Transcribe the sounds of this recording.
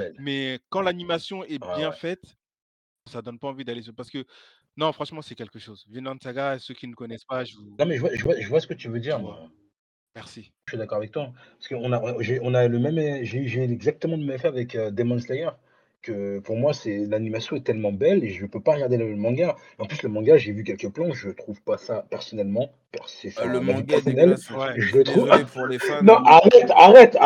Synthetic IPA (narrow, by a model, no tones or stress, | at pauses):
ɛmɛkɑ̃lanimasjɔ̃ɛbjɛ̃fɛt̪ | sad̪ɔnpaɑ̃vid̪alesʁpaʁsə̥kə | nɔ̃fχɑ̃ʃmɑ̃sɛkʲɛlkəʃozvinlɑ̃nd̪saɡasøkʲinəkɔnɛspaʒəvunɑ̃mɛʒəvwaʒəvwaʒəvwasə̥kət̪yvød̪iʁma | mɛʁsi | ʃɥid̪akɔʁavɛk̚t̪wapḁsəkəɔ̃naɔ̃ʒeɔ̃naləmɛmɛʒeyʒeylɛɡzak̚t̪əmɑ̃ləmɛmfɛavɛkød̪emɔnslajɛʁ | kəpuʁmwasɛlanimasjɔ̃ɛt̪ɛlmɑ̃bɛleʒəpøpaʁəɡaʁd̪eləmɛmːɑ̃ɡaeɑ̃plysləmɑ̃ɡaʒevyk̬ʲɛlkəplɑ̃ʒət̪χuvpasapɛʁsɔnɛlmɑ̃ | pɛʁsesamavipɛʁsɔnɛlʒələt̪χuv | nɔ̃ʔaʁɛt̪aʁɛt̪a